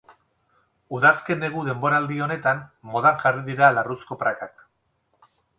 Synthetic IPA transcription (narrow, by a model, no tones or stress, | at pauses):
uðaske̞neɣuðe̞mbo̞ɾaːld̪io̞ne̞t̪anmo̞ð̞aŋʝariðiɾalarusko̞pɾakak